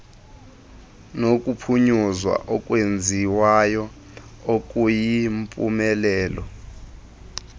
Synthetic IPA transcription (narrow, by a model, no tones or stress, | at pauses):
nokʼupʰuɲuzwa̰ʔɔkʼwend͡zʱiwajɔ | okʼujimpʼṵmɛlɛːlɔ